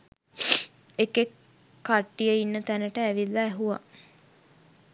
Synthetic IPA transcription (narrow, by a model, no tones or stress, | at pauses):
ekekː | aʈːijəinːət̪ænəʈəæʋilːaːɦuʋa̰